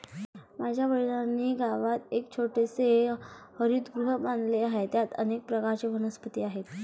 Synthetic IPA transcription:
mad͡ʑʱjaʋəɽilanːiːɡaʋat̪ek̚t͡ɕʰoʈesehəɾut̪ɡɾuɦəband̪leaɦet̪jat̪ənek̚pɾəkaɾt͡ɕeʋənəspət̪iːaɦet̪

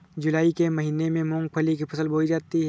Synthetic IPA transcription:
d͡ʒʊlaːikemɐɦiːnemẽmɔ̃ːŋɡ̚pʰɐlikipʰɐsəlbʱoːid͡ʒaːt̪iɦ

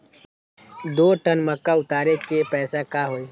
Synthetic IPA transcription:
d̪oːʈənməkːaʊt̪aːɾekepɛːsakaːɦoːi

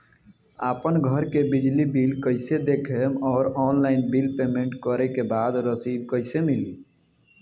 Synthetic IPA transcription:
aːpənɡʱəɾkebid͡ʒlibilkəɪsed̪ekʰemɔːɾɔːnlaɪnbilpemeɳʈkəɾɛkebaːd̪ɾəsib̚kəɪsemili

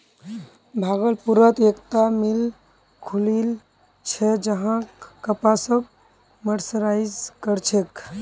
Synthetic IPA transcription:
bʱaɡəlpuɾət̪ekt̪amil | kʰulil | t͡ʃʰɛd͡ʒəɦãkəpasəb̚ | məɾsɾaid͡ʒkəɾt͡ʃʰek

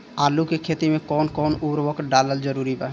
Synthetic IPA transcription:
alukekʰet̪imekɔnkɔnubɾbɔkɖalald͡ʒɔɾuɾiba

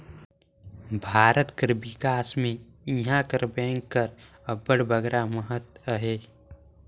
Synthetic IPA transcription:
bʱaːɾət̪kəɾbɪkaːsmẽ | iɦãkəɾbɛ̃ːŋkːəɾ | əbəɽbəɡɾaməɦət̪əɦeː

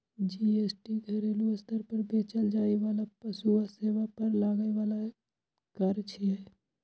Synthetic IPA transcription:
d͡ʒiesʈiɡʱɐɾeːluəst̪əɾpəɾbeːt͡ʃəld͡ʒaːeʋaːlapəsuaseːʋapəɾlaːɡəjʋaːla | kəɾt͡ʃʰɛ

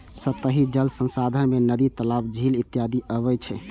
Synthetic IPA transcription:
sət̪əɦid͡ʒəlsə̃nsad̪ʱənmenəd̪it̪əlabd͡ʒʱilit̪ːjad̪iʔəβɛt͡ʃʰɛ

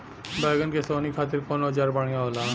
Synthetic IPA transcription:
baːɡənkesoːnikʰaːt̪̬ɪɾkoːnoɦəd͡ʒaːɾbaːɽɪjãoːlãː

